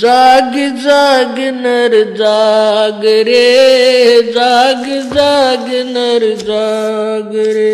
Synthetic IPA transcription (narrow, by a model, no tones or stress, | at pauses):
d͡ʒaːɡɪd͡ʒaɡɪnɐɾd͡ʒaɡɾe | d͡ʒaːɡɪd͡ʒaɡɪnɐɾd͡ʒaɡɾe